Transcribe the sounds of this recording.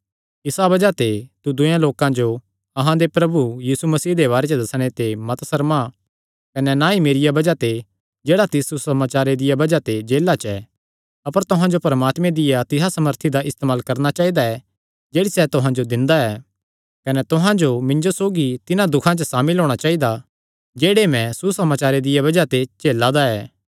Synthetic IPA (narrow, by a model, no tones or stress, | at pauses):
ɪsabɐd͡ʒat̪et̪ud̪ʊjãloːkãd͡ʒo | ɐɦãd̪epɾɐbujiːsumɐsiːɦd̪eβaːɾet͡ʃəd̪ɐsɽ̃et̪emɐt̪sɐɾma | kɐnɛnãːimeːɾɪjabɐd͡ʒat̪e | d͡ʒeːɽat̪ɪsusɐmaːt͡ʃaːɾed̪ɪjabɐd͡ʒat̪ed͡ʒeːlːat͡ʃɛ | ɐpəɾt̪ʊɦãd͡ʒopɐɾəmaːt̪mɛ̃d̪ɪjat̪ɪɦasɐməɾt̪ʰid̪aɪst̪eːmaːlkɐɾnat͡ʃaːid̪aɛ | d͡ʒeːɽisɛt̪ʊɦãd͡ʒod̪ɪ̃nd̪aɛ | kɐnɛt̪ʊɦãd͡ʒomɪ̃nd͡ʒosoːɡit̪ɪnãd̪ʊkʰãt͡ʃəsaːmɪlɦoːɽ̃at͡ʃaːid̪a | d͡ʒeːɽemɛ̃susɐmaːt͡ʃaːɾed̪ɪjaβɐd͡ʒat̪et͡ʃeːlːad̪aɛː